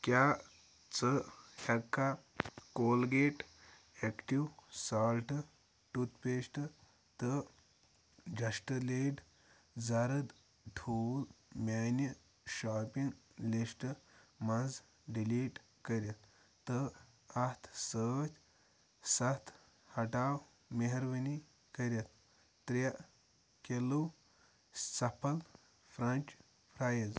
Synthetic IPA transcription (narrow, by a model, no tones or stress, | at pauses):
kʲjaː | t͡səhʲɐkʰːakoːlɡeːʈ | ekʈiwsaːlʈ | ʈut̪peːsʈɨ | t̪ə | d͡ʒɐʂʈleːʈ | d͡zɐɾəd̪ | ʈʰuːlmʲaːni | ʃaːpiŋɡlisʈɨmaz | ɖiliːʈ | kəɾʲɐt̪ | t̪ːə | ɐt̪ʰsət͡ʃ | sɐt̪ʰ | hɐʈaw | meɦɐɾʋəni | kəɾjɐt̪̚ː | ɾaʔ | kelu | sɐpʰɐl | fʰɾɐnʲt͡ʃ | pʰɾajəz